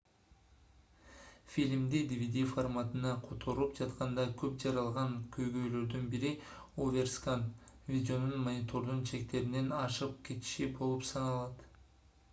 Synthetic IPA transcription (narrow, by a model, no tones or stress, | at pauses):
fʲilʲmd̪id̪ivʲid̪ʲiformat̪ɯnɑqʰo̞t̪ʰo̞ɾupd͡ʒɑt̪qɑnd̪ɑkʰøp̚d͡ʒɑɾɑlˠʁɑŋkʲʰø̞jɡø̞jlø̞ɾd̪ynbiɾiovʲe̞rskanvʲidʲeo̞nunmonʲit̪ʰo̞ɾd̪unt͡ʃʰe̞k̚t̪e̞ɾine̞nɑʃɯp̚kʲʰe̞t̪i̥ʃibo̞lˠupsɑnɑlˠɑt̪